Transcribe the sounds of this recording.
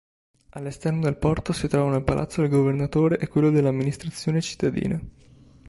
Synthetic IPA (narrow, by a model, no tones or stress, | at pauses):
alːest̪ɛrnod̪elpɔrt̪osit̪ɾɔːvanoalpalʔa̰t̪sːod̪elɡovernat̪oːɾeʔekːwelːod̪elːamːinist̪ɾat̪sːjoːnet͡ʃi̥t̪ːad̪ḭːne